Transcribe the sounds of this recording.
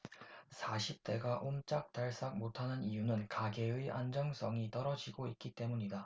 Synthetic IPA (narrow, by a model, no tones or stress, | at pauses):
sʰaɕʰip̚t͈e̞ɡaʔomt͡ɕ͈ak̚t͈aɭs͈ak̚motʰanɯnijunɯnkaɡe̞ɯiʔand͡ʑʌŋsʰʌŋit͈ʌɾʌd͡ʑiɡoit̚k͈it͈e̞muɲida